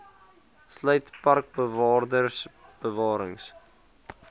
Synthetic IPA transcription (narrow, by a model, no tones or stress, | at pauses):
sləjtpɐrk̚bəvɑːrdərsb̥əvɑːɾə̰ŋs